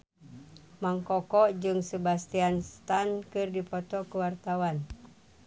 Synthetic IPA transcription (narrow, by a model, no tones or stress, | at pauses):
maŋkɔkɔʔd͡ʒɨŋsəbast̪ianst̪ankɨrdipɔt̪ɔkuwart̪awan